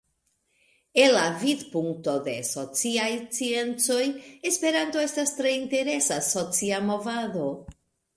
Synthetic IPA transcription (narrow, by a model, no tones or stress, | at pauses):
e̞nlːavidpuŋk̚to̞de̞so̞t͡siajt͡sie̞nt͡so̞je̞spe̞ɾantoe̞stastɾe̞inte̞ɾe̞saso̞t͡siamo̞vado̞